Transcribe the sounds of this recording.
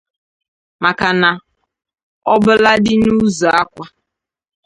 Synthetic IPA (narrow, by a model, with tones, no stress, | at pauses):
ma˨ka˨na˨ | ɔ˦bʊ˦la˦dɪ˦nu˦zɔ˨a˦kʷa˦